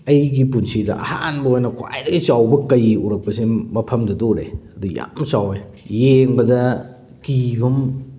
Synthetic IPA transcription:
ɐjɡipunsidɐ̰ɐ̰hanbɐojnɐkʰwa̰jdɐɡit͡ʃawbɐkɐjuɾɐk̚pɐsemɐpʰɐmdɐdoɾḛɐduja̰msawej | jeŋbɐdɐ | kibɐm

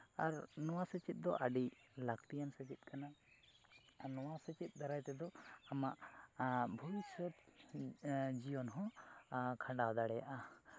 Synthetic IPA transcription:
aɾnɔwasɛt͡ʃit̪̚d̪ɔʔaɖilakt̪ijansɛt͡ʃit̪̚kʰana | nɔwasɛt͡ʃit̪̚ˀd̪aɾajt̪ɛd̪ɔamaʔ | bʱɔbisɔt̪ | d͡ʒijɔnɦɔ̃ | kʰãɳɖad̪aɽɛja̰ʔa

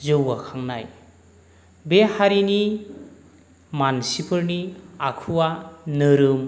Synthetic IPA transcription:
zɯwakʰaŋna̰j | behaɾini | mansipʰɯɾniakʰuwanɯɾɯm

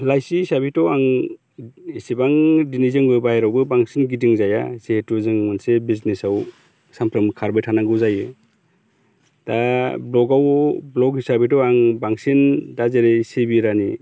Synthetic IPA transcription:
lajsisabitɔwaŋ | isibaŋdinizɯŋbɯbajɾawbɯbaŋsinɡit̬iŋzaja̰setɔzɯŋmɯnsebiznesaw | sampʰɾɯmkʰaɾbɯjtʰanaŋɡɯwzajɯ | d̥ablɔɡawblɔkisabitɔwaŋbaŋsindazeɾesebiɾani

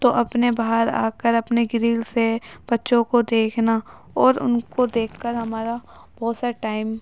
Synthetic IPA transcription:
t̪oʔɐpnebaɦəɾa̰ːkəɾɐpneɡɪɾiːlseb̥ɐtːʃõkod̪eːkʰna | ɔːɾʊ̰nkod̪eːkʰːəɾɦɐmaːɾa | b̥ɔːt̪saʈaːɪm

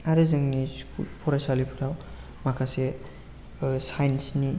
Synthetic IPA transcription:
aɾɯzɯŋniskʰṵlpʰɔɾasalipʰɯɾaw | makʰase | sajnsni

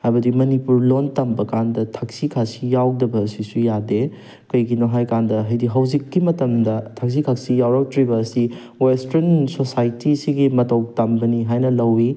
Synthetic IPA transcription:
hajbɐdimɐnipuɾlontambɐkandɐtʰak̚sikʰasijawdɐbɐːsisujade | kɐjɡinoɦajkandɐɦɐjdiɦɐwzikːimɐtɐmdɐtʰak̚s̬ikʰaksijawɾɐk̚tɾibɐːsi | westɐɾnsosajtisiɡimɐtowk̚tambɐniɦajnɐlɐwi

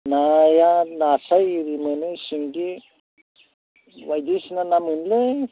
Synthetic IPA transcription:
najanasajɾimənɯsiŋki | wajd̪isnanamɯnle

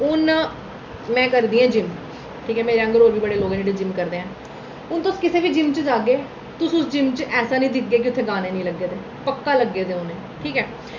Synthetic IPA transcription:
ʊn | mɛ̃ːkəɾd̪iːãːd͡ʒɪm | ʈʰiːkɦɛːmeːɾeːə̃ŋɡəɾoːɾʋiːbəɽeːloːɡːeːɖed͡ʒɪmkəɾd̪eːɛ̃ː | ʊnt̪ʊskɪseːʋiːd͡ʒɪmt͡ʃəd͡ʒaːɡeː | t̪ʊsʊsd͡ʒɪmt͡ʃʔɛːsaːnĩːd̪ɪkɡeːk̬ɪʊt̪ʰːeːɡaːneːnĩːləɡːeːd̪eː | pəkːaːləɡːeːd̪eːʊneː | ʈʰiːkɛː

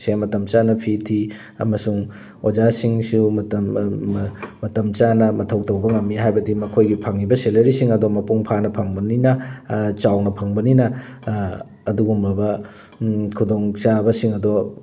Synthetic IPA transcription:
semɐtɐmt͡ʃanɐpʰitʰi | ɐ̰mɐsuŋ | od͡ʒasiŋsumt | mɐtɐmt͡ʃanɐmɐtʰɐwtɐwbɐŋɐmːiɦajbɐdimɐkʰojɡipʰɐŋibɐselɐɾisiŋɐdomɐpuŋpʰanɐpʰɐŋbɐninɐt͡ʃawnɐpʰɐŋbɐninɐ | duɡumɾɐbɐ | kʰudoŋt͡ʃabɐsiŋɐdo

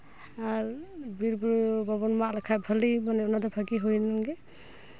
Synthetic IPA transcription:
aɹbiɾbuɾbabɔnmaʔlakʰabʱalimanɛɔnadɔbʰʱaɡiɦujnaŋɡɛ

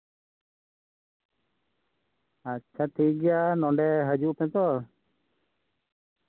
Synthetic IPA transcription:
ətːt͡ʃʰat̪ʰiɡɛjanɔɳɖɛɦəd͡ʒuʔpɛ̃t̪ɔ

